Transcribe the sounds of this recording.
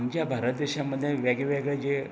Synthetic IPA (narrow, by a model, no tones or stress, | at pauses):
md͡ʑjabʱaɾət̪̚d̪eɕamːəd̪ʱjeʋaɡeʋeɡɭɛd͡ʑe